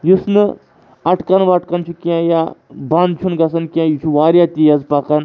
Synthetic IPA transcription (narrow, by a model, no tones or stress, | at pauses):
jusnɨ | ɐʈkɐnʋɐʈkɐnt͡ʃʰukiãːjaːbɐnd̪t͡ʃʰunɡɐsɐnkiãjit͡ʃʰuʋaːɾʲjat̪ijɐzpɐkɐn